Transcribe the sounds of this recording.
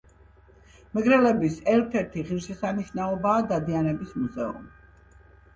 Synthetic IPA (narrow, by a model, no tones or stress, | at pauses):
mɛɡɾɛlɛbisɛɾt̪ʰɛɾt̪ʰiʁiɾʃɛsaniʃnaɔbaːd̪ad̪ianɛbismuzɛṵmi